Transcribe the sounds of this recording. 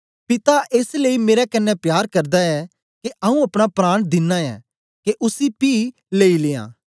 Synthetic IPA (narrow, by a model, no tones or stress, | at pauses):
pɪt̪aʔeːsleimeːɾɛkɐnːɛpjaːɾkɐɾd̪aɛ | keʔɐũɐpɽ̃apɾaːɽ̃d̪ɪnːaɛ̰ː | keʔʊsipiː | leːileːã̰ː